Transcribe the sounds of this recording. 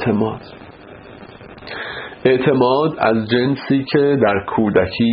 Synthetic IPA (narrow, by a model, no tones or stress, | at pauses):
emɒːd̪̥ | e̞ʔt̪ʰe̞mɒːd̪æ̰zd͡ʒe̞nsiːcʰe̞d̪æɾkʰuːd̪æcʰiː